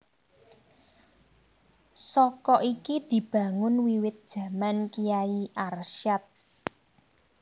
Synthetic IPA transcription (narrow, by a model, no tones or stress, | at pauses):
sɔkɔʔikid̪̥i̤b̥ä̤ŋʊnwiwɪt̪̚d̥ʒ̥ä̤mankijaiʔarʃat̪̚